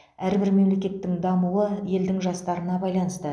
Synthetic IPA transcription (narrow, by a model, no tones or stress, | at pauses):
æɾbɪɾme̞mle̞kʲe̞t̪ːɪŋd̪ɑmuwəje̞ld̪ɪŋʒɑst̪ɑɾənɑbɑjlˠɑnəst̪ə